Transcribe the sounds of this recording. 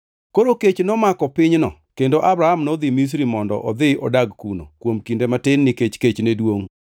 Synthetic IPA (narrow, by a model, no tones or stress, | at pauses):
koɾoket͡ʃnɔmakɔpɪɲnɔ̰kendoʔabɾahamnɔd̪ɪmis̬ɾimɔndɔ̰ʔɔd̪ɪɔdaɡkuno̰kwomkindematɪnːɪket͡ʃket͡ʃnedwoŋ